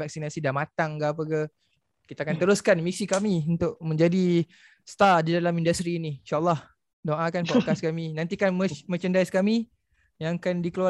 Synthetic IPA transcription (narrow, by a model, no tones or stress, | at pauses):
vak̚sinasidamat̪aŋɡaːp̬əkə | kit̪akant̪əɾʊskanmisikamiunt̪ʊʔmə̃ɲd͡ʒadi | st̪adidalamindast̪ɾiːniinʃaʔlːɑh | doʔakanpokaskamĩnãnt̪ikanmmət͡ʃəndajskamĩ | jãkandikəlua